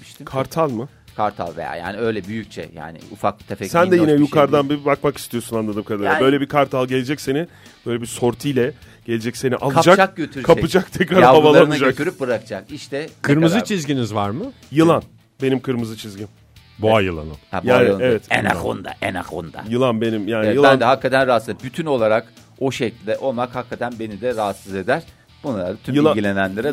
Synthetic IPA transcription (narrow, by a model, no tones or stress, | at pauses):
kʰaɾt̪ʰalˠmɯ | kʰaɾt̪ʰa̰lˠvḛja̰ja̰ːnɪøjlʲɛbyjyc̚t͡ʃʰɛ̰ja̰ːnɪ̰ufak̚t̪ʰefɛsænd̪ɛjinɛjukʰaɾd̪anbibakmaki̥st̪ʰijosunanlˠad̪ɯːmkʰad̪aɾɯbø̞jlʲebiɾkʰaɾt̪ʰalˠɟe̞lʲed͡ʒɛcse̞ni | bøjlʲebiɾso̞ɾt̪ʰɯjlʲɛ | ɟ̥e̞lʲed͡ʒɛcse̞niʔalˠd͡ʒakak̚ɟøt̪ʰyɾkʰaɯd͡ʒakt̪ʰɛcɾaɾhavalˠanɯd͡ʒaktyɾyp̚bɯɾakd͡ʒakiʃt̪ʰɛt̪ʰɯɾmɯzɯt͡ʃʰizɟinizvaɾmɯ | jɯlˠan | be̞nimkʰɯɾmɯzɯt͡ʃʰizɟim | buajɯlˠa̰nɯ̰ma̰bjuaːaɯevɛt̪ḛna̰xo̰nd̪a̰ʔena̰xo̰nd̪a̰jɯlˠanbenimjaːniɯlˠæand̪ɛɦakːat̪ʰænɾaːt̪sɯzbyt̪ʰyno̞lˠaɾak | o̞ʃeclʲd̪ɛʔo̞lˠmakhakʰːat̪ʰænbe̞nid̪ɛɾaɦːt̪sɯze̞d̪æɾ̥ | b̥unlˠaɾd̪at̪ʰymɯlilʲɟilʲe̞nænlʲeɾɛ